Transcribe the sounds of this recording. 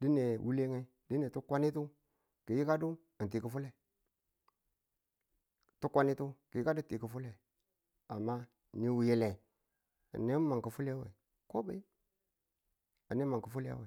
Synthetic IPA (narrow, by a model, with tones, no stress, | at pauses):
di˦ne˨wu˦le˦ŋe˦ | di˦ne˨tu˦kʷa˦ni˦tu˦ | ki˨ji˦ka˦du˦ | a˨nti˨kə˨fu˦le˨ | tu˦kʷa˦ni˦tu˦ki˨ji˦ka˦du˦ti˨ki˨fu˦le˨ | a˨mːa˦˨ | ni˦wu˨ji˨le˨ | a̰˨ni˦ma˨kə˨fu˦le˦wḛ˨ | ko˦ba˨i˦ | a˨ni˦ma˨ŋkə˨fu˦le˦a̰˦we˨